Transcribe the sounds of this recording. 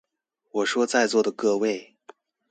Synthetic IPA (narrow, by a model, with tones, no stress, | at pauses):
wɔ˨˩ʂwɔ˥t͡sa˥˧ɪt͡swɔ˥˩d̪ə˩kɤ˥˧we˥˩ɪ